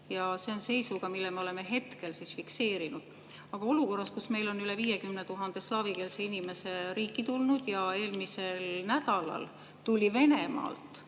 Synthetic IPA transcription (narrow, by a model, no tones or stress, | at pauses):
jɑse̞o̞nse̞jsuɡ̥ɑmilːeme̞o̞leme̞ɦe̞t̪ke̞lsisfikse̞ːɾinud̪̥ | ɑɡ̥ɑo̞luko̞rːɑskusme̞jlo̞nyleviːjekymnet̪uɦɑnd̪̥e̞slɑːvike̞ːlseinime̞se̞ɾiːkˑːit̪ulnud̪̥jɑe̞ːlmise̞lnæd̪̥ɑlɑ̰l | t̪ulʲive̞ne̞mɑ̰ːlt̪ˑ